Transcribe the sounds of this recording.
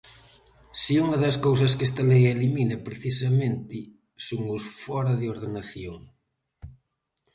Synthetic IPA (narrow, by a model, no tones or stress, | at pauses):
siuŋɐðɐskows̬ɐskɛst̪ɐlejeliminɐpɾeθisɐment̪ɪ | soŋʊsfɔɾɐðɪoɾðenaθjoŋ